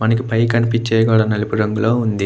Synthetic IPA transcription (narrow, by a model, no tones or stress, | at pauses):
mɐnɐk̬ːɯpɐjkɐnipːit͡ʃːeːkoːɽɐnɐlipɯɾɐŋɡɐɭoːund̪i